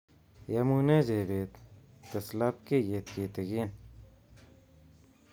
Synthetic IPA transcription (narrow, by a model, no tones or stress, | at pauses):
jɐmuːned͡ʑeːbet̪ːɐslap̚kejet̪̚kit̪ɐɡiːn